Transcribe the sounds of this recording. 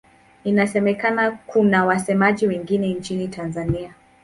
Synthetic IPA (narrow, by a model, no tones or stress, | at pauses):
inasɛmɛkanakunawasɛmaʄiwɛŋɡinɛnt͡ʃinitanzania